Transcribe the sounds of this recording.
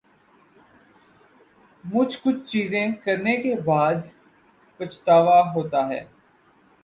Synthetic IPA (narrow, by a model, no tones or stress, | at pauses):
mʊt͡ʃkʊt͡ʃʰt͡ʃiːzẽkəɾnekebaːd̪ | kʊt͡ʃʰt̪aːʋaːɦoːt̪aːɦɛ̰ː